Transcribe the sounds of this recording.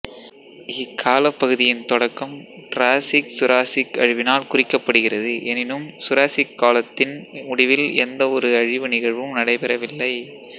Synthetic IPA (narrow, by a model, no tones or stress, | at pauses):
ɪkʰːaːlɐpːɐɣɯðɪjɪnt̪ɔɽɐkːɐmʈɾaːsɪksʊɾaːsɪkɐ̰ɻɪʋɪnaːlkʊrɪkːɐpːɐɽɯɣɪrɐðɯʔɛnɪnɯmsʊɾaːsɪkːaːlɐt̪ːɪnʊɽɪʋɪlɛnd̪ɐɔɾɯɐɻɪʋɯnɪɣɐɻʋɯmnɐɽɐɪpɛɾɐʋɪlːɐɪ